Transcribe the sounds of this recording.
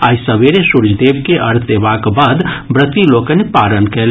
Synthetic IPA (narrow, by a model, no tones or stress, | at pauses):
ajsəbeɾesuɾd͡ʒʱd̪ebkeʔəɾt̪ʰd̪ebakbad̪bɾət̪ilokənepaɾənkel